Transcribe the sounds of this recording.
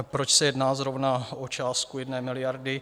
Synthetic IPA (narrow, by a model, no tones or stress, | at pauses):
pɾot͡ʃsɛjɛdnaːzɾovnaʔot͡ʃaːst̪kujɛdnɛːmɪlɪjaɾdɪ